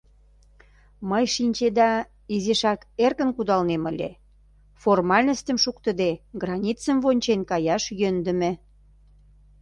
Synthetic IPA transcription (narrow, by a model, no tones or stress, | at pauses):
məjʃinʲt͡ɕed̪ɑ | izeʃɑkerkə̆nkud̪ɑlneməlʲḛ | formɑlʲnəst̪ə̆mʃukt̪ə̆d̪eɡrɑnʲit͡səmvonʲt͡ɕenkɑjɑʃjønd̪ə̆mĕ